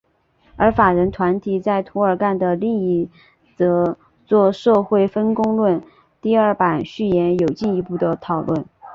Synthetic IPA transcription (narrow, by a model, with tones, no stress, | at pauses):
ə˞˧˥fa˨˩ɻə˧˥nt̪ʰwa˧˥nt̪ʰi˨˩t͡sa˥˩ɪt̪ʰu˧˥ə˞˨˩ka˥˩nd̪ə˩li˥˧ŋi˧˥˩ | t͡sɤ˧˥ | t͡swɔ˥˧ʂɤ˥˧xwe˥˩ɪfə˥nkʊ˥ŋlwə˥˧n | t̪i˥˧ə˞˥˩pa˨˩nɕy˥˩jɛ˧˥njo˨˩ʊt͡ɕi˥˩ni˧˥pu˥˩d̪ə˩t̪ʰɑ˨˩ʊlwə˥˩n